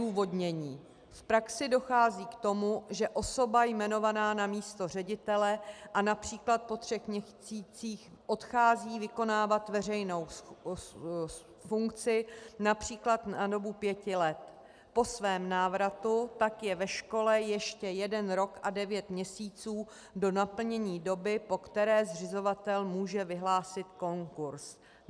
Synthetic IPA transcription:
uːvo̞dɲɛɲiː | fpɾaksɪdo̞xaːziːkt̪o̞muʒɛʔo̞so̞bajmɛno̞vanaːnamiːst̪o̞r̝ɛɟɪt̪ɛlɛʔanapr̝̥iːklat̪̚po̞t̪rɛxmɲɛt͡siːt͡siːx | ʔot̪xaːziːvɪko̞naːvat̪vɛr̝ɛjno̞w | fuŋkt͡sɪnapr̝̥iːklat̪nado̞bupjɛcɪlɛt̪ | po̞svɛːmnaːvɾat̪ut̪akjɛvɛʃko̞lɛjɛʃcɛjɛdɛnɾo̞kʔadɛvjɛt̪mɲɛsiːt͡suː | do̞napl̩ɲɛɲiːdo̞bɪpo̞kt̪ɛɾɛːzrɪzo̞vat̪ɛlmuːʒɛvɪɦlaːsɪt̪ko̞ŋkuɾs

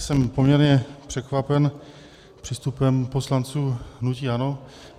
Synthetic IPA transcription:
sɛmpomɲɛɾɲɛpr̥ɛkvapɛn | pr̥ist̪upɛmpo̞slant͡suːɦnuciːano

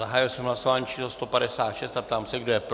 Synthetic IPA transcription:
aɦaːjilsɛmɦlasovaːɲit͡ʃʰiːslost̪opadɛsaːt̪ʃɛst̪apt̪aːmsɛɡdojɛp

